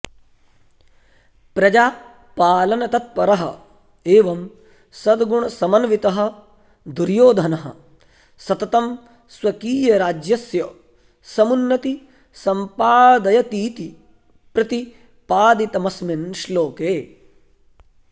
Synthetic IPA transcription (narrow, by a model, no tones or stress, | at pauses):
pɾɐd͡ʒaː | paːlɐnɐt̪ɐt̪̚pɐɾɐɦɐ | eːʋɐm | sɐd̪ɡuɳɐsɐmɐnɐʋit̪ɐɦɐ̆ | d̪uɾjoːd̪ʱɐnɐɦɐ̰̆ | sɐt̪ɐt̪ɐm | sʋɐkiːjɐɾaːd͡ʒjɐsjɐ | sɐmunːɐt̪i | sɐmpaːd̪ɐjɐt̪iːt̪i | pɾɐt̪i | paːd̪it̪ɐmɐsminʃloːkeː